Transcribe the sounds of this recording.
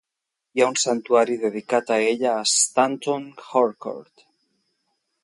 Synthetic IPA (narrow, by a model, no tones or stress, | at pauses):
jaunsant̪uaɾiðeðikat̪aeʎaːst̪ant̪oŋxoɾko̰ɾt̪